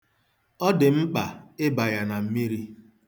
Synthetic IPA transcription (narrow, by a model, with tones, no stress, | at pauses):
ɔ˦dɪ˨m̩˦k͡pa˨ɪ˦ba˨ja˨na˨m̩˦mi˦ɾi˦